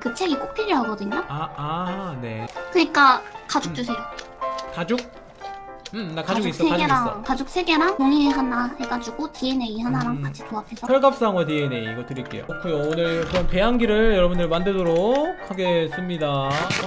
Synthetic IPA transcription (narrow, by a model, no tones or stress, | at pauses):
kɯt͡ɕʰeɡik͈ok̚pʰiɾiɦaɡʌdɯɲoaane̞kɯɲik͈akad͡ʑot͡ɕ͈usʰe | kad͡ʑok̚ | ɯnakad͡ʑaoɡoiks͈ʌseaɡeɾakad͡ʑok̚s͈ʰe̞ɡe̞ɾankoŋieɦanahe̞ɡad͡ʑuɡotiene̞ihanaɾaŋkat͡ɕʰi̥toapʰe̞sʰʌjʌɭɡap̚s͈aŋwʌt̬iene̞iiɡʌtɯɾik͈e̞̰jo̰kʰujoonɯɭkɯɾʌnpe̞ɦaŋɡiɾɯɭjʌɾʌbundɯɭmandɯɭdoɾokʰhaɡe̞s͈ɯmɲida